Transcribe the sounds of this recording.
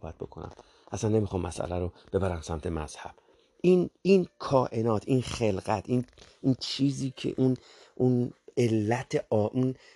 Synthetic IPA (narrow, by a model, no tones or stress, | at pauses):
bæt̪̚bo̞kʰo̰næ̰m | ʔæsænːe̞mixɒːmːæ̰sʔæ̰læɾob̥e̞bæɾæmsæmt̪ʰe̞mæz̥hæ̰b̥̚ | ʔiniːnkʰɒːʔe̞nɒːt̪ʰʔiːnχe̞lɢæt̪ʰinunt͡ʃʰiːziːcʰe̞̰ʔun | ʔune̞lːæt̪ʰeʔɒːʔun